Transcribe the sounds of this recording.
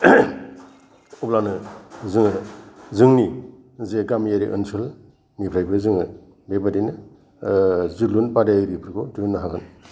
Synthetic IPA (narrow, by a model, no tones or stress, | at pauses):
ɔblanɯzɯŋɯzɯŋni | zeɡamjaɾḭʔɯ̰nsʰɯl | nipʰɾajbʰɯzɯŋɯ | bebadinɯ | zɯlunpadaɾipʰɯɾɡɔtunːaɦaɡɯn